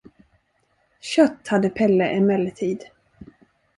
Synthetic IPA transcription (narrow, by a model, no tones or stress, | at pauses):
ɕœt̪ːhad̪ːəpʰɛlːəʔɛmɛlːət̪ʰiːd̪